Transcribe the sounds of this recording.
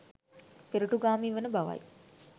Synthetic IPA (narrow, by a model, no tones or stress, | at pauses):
peɾuʈuɡaːmiːʋənəbaʋa̰j